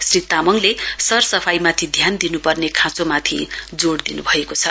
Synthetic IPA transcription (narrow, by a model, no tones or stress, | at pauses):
srit̪amʌŋlesʌrsʌpʰajmat̪ʰid̪ʱjand̪inupʌrnekʰãt͡somat̪ʰḭd͡zoɽd̪inubʱʌekot͡sʰʌ